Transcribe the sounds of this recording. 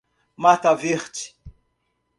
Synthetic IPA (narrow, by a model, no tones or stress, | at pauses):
mat̪aviχt͡ʃ